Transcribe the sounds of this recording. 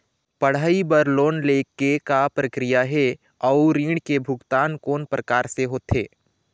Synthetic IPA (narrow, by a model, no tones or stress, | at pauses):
pəɽ̤aːibəɾloːnleːkːekapɾəkɾɪjaɦe | ɔʊɾiːɽkebʱʊɡt̪aːnkoːnpɾʔəkaːɾseɦoːt̪ḛː